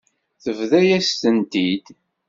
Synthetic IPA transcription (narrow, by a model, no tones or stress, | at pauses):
θəvðæjæst̪ənt̪id̪̥